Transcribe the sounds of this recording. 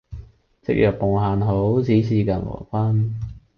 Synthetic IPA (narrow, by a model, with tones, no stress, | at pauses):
t͡sɪ̰˧k̚jœː˨k̚po˨ŋhaː˨nɦo˨˥wt͡sʰiː˨˥sʰiː˧ka˨˩nwɔ̰ː˨˩kʷaː˥n